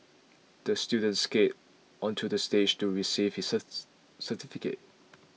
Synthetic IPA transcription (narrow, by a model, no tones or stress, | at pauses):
d̥əstjudə̃ntsket | ʔɔ̃ntʰudəsted͡ʒtuɹisiv̥hisə | sətifikḛt̚